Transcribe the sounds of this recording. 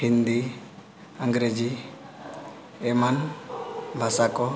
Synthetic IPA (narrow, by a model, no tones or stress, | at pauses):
hind̪i | aŋɡɾed͡ʒi | ɛman | bʱasakɔ